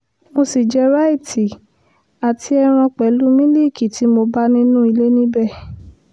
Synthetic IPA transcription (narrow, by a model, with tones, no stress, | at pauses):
mo˧si˨d͡ʒɛ˧˦ɾa˦i˦˨tʰi˨ | a˨tʰi˧˦ɛ˧ɾ̃ɔ̃˧k͡pɛ˨˦lu˦mĩ˦li˦˨ki˨ti˨˦mo˧ba˦nĩ˦nũ˦i˧le˦nĩ˦bɛ˦˨